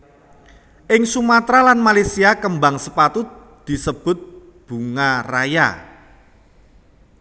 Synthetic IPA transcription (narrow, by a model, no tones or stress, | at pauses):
ʔɪŋsumat̪ɾalanmalesiakəmbaŋsəpat̪ʊt̪̚ | d̪̥i̤səb̥ʊ̤t̪̚ | b̥ṳŋaraja̰